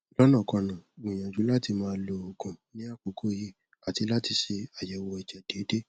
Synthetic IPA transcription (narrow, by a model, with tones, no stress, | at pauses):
lɔ˦nã˦˨kɔ̃˧nã˨ɡ͡bĩ˨j̃ã˨d͡ʒu˨˦la˦ti˧mãː˦˧lo˧o˨kũ˨nĩ˦a˦˨k͡po˨˦kʰo˦˨ji˦˨ | a˨ti˧˦la˦ti˧ʃe˧a˨jɛ˨˧˦wɔ˧i˨d͡ʒɛ˨d̥e˨˦de˦